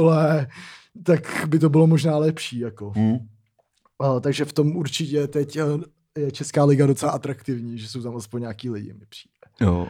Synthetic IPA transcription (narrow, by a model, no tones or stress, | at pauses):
lɛ | t̪akbɪt̪o̞bɪlo̞mo̞ʒnaːlɛpʃiːjako̞ | t̪aɡʒɛft̪o̞muɾt͡ʃɪcɛt̪ɛc | jɛt͡ʃɛskaːlɪɡado̞t͡sɛlaʔat̪ɾakt̪ɪvɲiːʒɛso̞wt̪amʔaspoɲɲaːkiːlɪɟɪ̰mɪpr̥i̥ːdɛjo̰